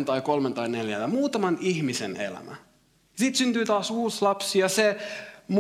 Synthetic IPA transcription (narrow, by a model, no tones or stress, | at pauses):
nt̪ɑikolment̪ɑineljæ̰jɑmuːt̪ɑmɑnihmisenḛlæ̰mæ̰ | jɑsit̪synt̪yːt̪ɑːsuːslɑpsiɑsem